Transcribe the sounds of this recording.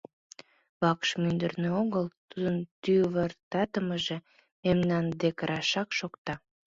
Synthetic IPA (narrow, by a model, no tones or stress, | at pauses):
βɑkʃmynd̪ərnøoɣəlt̪ud̪ənt̪yβərt̪ɑt̪əməʒe̽ | memnɑnd̪ekəɾʔɑʃɑkʃokt̪ɑ